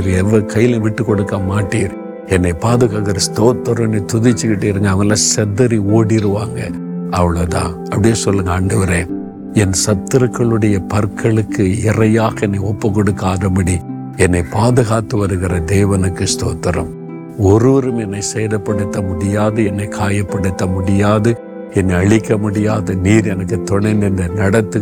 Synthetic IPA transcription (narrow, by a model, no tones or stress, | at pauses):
ɾɛʋːɐkɐjːɪlɐʋɪʈːɯkːɔɽɯkːɐmaːʈːiːɾ | ɛnːɐɪpaːðɯɣɐɣɪɾɐst̪oːt̪ːɐɾɐmɛnːɐɪt̪ʊðɪt͡ʃːɯkɪʈːeːɾɯŋɡɐːʋɐnɐlːaːsɛðɐɾioːɽiɾɯʋaːŋɡɐ | ʔɐʋɐɭɐt̪ã̰ː | ɐpːɐɽɪjesɔlːɯŋɡɐaɳɖɐʋɐɾẽː | ɛnsɐt̪ːɯɾɐkːɐɭɯɽɐjɐpɐɾkʰːɐɭɯkːɯɪrɐjaːɣɐɛnːɐɪɔpːɐkːɔɽɯkːaːðɐmɐɽi | ɛnːɐɪpaːðɯɣaːt̪ːɯʋɐɾɯɣɪɾɐd̪eːʋɐnɯkːɯst̪o̰ːt̪ːɐɾɐ̰m | ɔɾɯʋɐɾɯmɛnːɐɪsɛjɾɐpːɐɽɯt̪ːɐmʊɽɪjaːðɯɛnːɐɪkʰaːjɐpːɐɽɯt̪ːɐmʊɽɪjaːðɯ | ɛnːɐɪɐɭɪkːɐmʊɽɪjaːðɐniːɾɛnɐkːɯt̪ɔɳɐɪnd̪ɪnd̪ɐnɐɽɐt̪ːɯ